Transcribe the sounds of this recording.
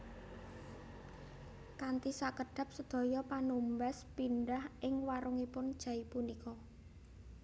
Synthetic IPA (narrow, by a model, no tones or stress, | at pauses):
kant̪isakəɖ̥a̤p̚səd̪̥ɔ̤jɔpanumbaspinɖahʔɪŋwaɾʊŋipʊnd̥ʒ̥ä̤ipunikɔ